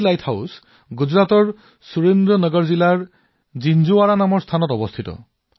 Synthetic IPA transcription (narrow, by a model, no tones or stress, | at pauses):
lajtʰhaws | ɡud͡ʒɾat̪ɔɹ | suɾend̪ɾɔnɔɡɔɹzilaɹ | d͡ʒind͡ʒuwaɾanamɔɹst̪ʰanɔtɔbɔst̪ʰit̪ɔ̰